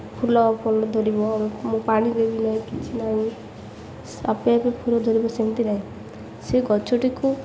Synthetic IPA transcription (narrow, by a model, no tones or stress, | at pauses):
pʰulɔpʰɔlɔd̪ʱoɾibɔbɔmũpaɽ̃ĩd̪ebinaɦĩkit͡ʃʰinaɦĩ | sa̰peapepʰulɔd̪ʱoɾibɔsemit̪iɾaɦĩ | seɡɔt͡ʃʰoʈiku